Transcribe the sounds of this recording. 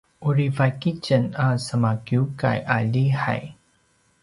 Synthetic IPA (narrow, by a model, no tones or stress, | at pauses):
ʔuɾivakit͡ʃənasəmakjuka̰jʔaʎiħa̰j